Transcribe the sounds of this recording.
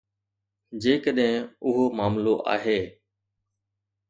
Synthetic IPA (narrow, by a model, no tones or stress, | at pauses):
d͡ʑeːkəɗɦɪ̃ʊɦoːmaːmloʔa̰ːɦeː